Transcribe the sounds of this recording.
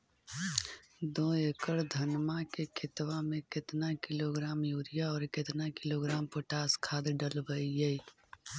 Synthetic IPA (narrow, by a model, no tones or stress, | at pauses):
d̪õːekəɽd̪ʱɐnmakekʰɪt̪wamẽkɪt̪nakɪloːɡɾaːmjuːɾɪjaɔːɾkɪt̪nakɪloːɡɾaːmpoʈaːskʰaːd̪ɖəlbəijɛi